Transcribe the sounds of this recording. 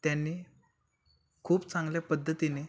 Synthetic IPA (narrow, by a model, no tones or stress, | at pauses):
t̪janːiː | kʰuːpt͡sãŋɡljapəd̪ʱːət̪ine